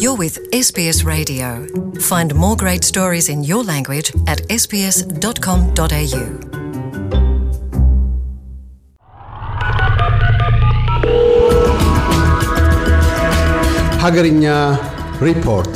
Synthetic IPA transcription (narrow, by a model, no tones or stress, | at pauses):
jəwɪð̥ | ɛsb̥iɛsɹeɪdioʊfãɪ̃nmɔːɡɹeɪtstɔːɹizɪ̃njəlãŋɡwɪd͡ʒətɛsb̥iɛsd̥ɒtkʰɒ̃md̥ɒteɪjʉː | haɡəɾiɲa | ɹipʰɔɾt